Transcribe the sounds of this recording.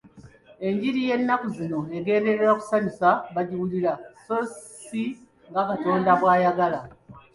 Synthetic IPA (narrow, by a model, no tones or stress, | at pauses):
e̞ɲɟiɾije̞nːakuzino̞eɡe̞ːnde̞ɾe̞ɾaku̥saɲusaβaɟiwuliɾasos | i | ŋɡakato̞ːndaβwaːjaɡala